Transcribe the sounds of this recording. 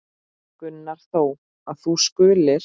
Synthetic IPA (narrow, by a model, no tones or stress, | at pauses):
kʏnːaɾ̥θoːw | aðθuskʏːlɪɾ